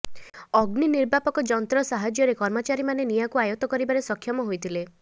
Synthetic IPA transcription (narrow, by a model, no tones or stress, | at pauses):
ɔɡniniɾbapɔkɔd͡ʒɔnt̪ɾɔsaɦad͡ʒjɔɾekɔɾmɔt͡ʃaɾimanenijakuajɔt̪ɔkɔɾibaɾesɔkʰjɔmɔɦojt̪ʰile